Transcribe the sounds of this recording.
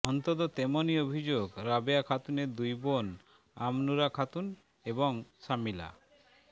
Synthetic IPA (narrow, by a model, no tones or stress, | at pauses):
ɔnt̪ot̪ot̪emoniobʱid͡ʑoɡɾabeakʰat̪uneɾd̪ujbon | amnuɾakʰat̪un | eboŋsamila̰